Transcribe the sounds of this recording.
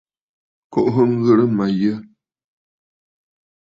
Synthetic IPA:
kɔ˦ʔɦə˦ŋ̩˦ɣə˦ɾə˦ma˨jə˦

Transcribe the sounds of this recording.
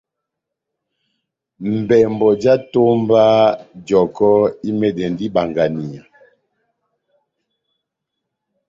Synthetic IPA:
m̩˨bɛ˨mbɔ˨d͡ʒa˦to˦mba˦d͡ʒɔ˨kɔ˦i˦mɛ˨dɛ˨ndi˦ba˨ŋɡa˨ni˨a˨

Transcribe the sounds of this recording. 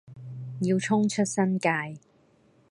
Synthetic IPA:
jiː˧wt͡sʰʊ˥ŋt͡ʃʰɵ˥t̚sɐ˥nkaː˧j

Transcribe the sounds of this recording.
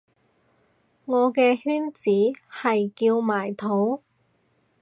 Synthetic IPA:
ŋɔː˨˧kɛː˧hyː˥nt͡siː˨˥hɐ˨jkiː˧wmaː˨˩jt̪ʰo˨˥w

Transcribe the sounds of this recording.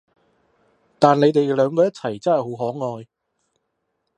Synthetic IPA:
t̪aː˨nle˨˧jt̪e˨jlœː˨˧ŋkɔː˧jɐ˥t̚t͡sʰɐ˨˩jt͡sɐ˥hɐ˨˩jɦo˨˥wɦɔː˨˥ŋɔː˧j

